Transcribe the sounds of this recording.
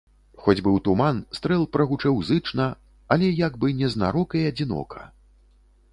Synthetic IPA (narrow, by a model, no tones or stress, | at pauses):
xɔd͡zʲbɨwt̪umanst̪ɾɛlˠpɾɐɣut͡ʂɛwzɨt͡ʂnɐ | alʲɛjaɡbɨnʲɛzna̰ɾɔkɐjɐd͡zʲin̪ɔ̰kɐ̥̰